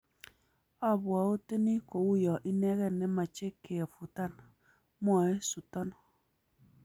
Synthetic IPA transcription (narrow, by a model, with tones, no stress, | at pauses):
a˦˨bwɔ˨o˦te˦ni˦ko˨u˦jɔ˨ʔi˦nɛ˦kɛ˦˨nːɛ˦ma˨t͡ʃe˦ke˨a˨fu˨ta˦˨n | m˦ɔ˦˨e˦su˨tɔ˦n